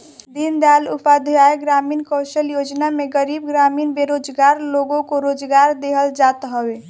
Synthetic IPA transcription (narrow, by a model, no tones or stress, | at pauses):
d̪ind̪alupad̪ʱaeɡɾaminkəsəljod͡ʒnameɡəɾibɡɾaminbeɾod͡ʒɡaɾloɡõkoɾod͡ʒɡaɾd̪eɦəld͡ʒat̪ɦəbe